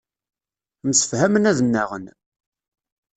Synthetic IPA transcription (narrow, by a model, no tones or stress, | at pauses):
msə̥fhæmənæðənːæʁə̰n